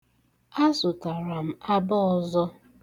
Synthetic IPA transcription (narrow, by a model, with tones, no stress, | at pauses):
a˦sʊ˨ta˨ɾa˨m̩˨a˦bɔ˦ɔ˨zɔ˦